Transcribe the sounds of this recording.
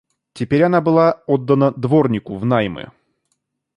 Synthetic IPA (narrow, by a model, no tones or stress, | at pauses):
tʲɪpʲeɾʲɐnabɨlˠaod̪ːənəd̪vo̞rnʲɪkʊvnajmɨ̰